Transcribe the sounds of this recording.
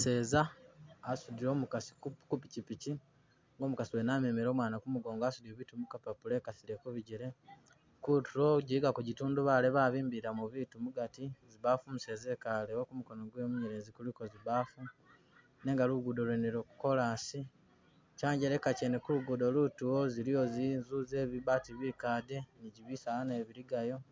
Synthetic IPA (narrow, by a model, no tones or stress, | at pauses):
se̞ːzaː | sudiɾo̞ːmukasi̥kupicipici | ŋɡo̞ːmukasiwenamemeɾo̞ːmwaːnakumuɡo̞ːŋɡaːsudioβitumukapapule̞ːkasiɾe̞kuβiɟiɾe̞ | kutuɾo̞ɟiiɡakuɟituːnduβaleβaːβiːmbiɾamuβiːtumuɡatiziβafumuse̞ːze̞kaleokumuko̞noɡwemuɲeɾeːzikuliko̞ziβaːfu | ne̞ːŋɡaluɡudolweneɾoku̥ko̞lasi | caːɲɟeɾe̞kacenekuluɡudo̞lutuwozilijo̞zinzuze̞ːβiβatiβikaːde̞niɟiβisaane̞βiɾiɡajo̞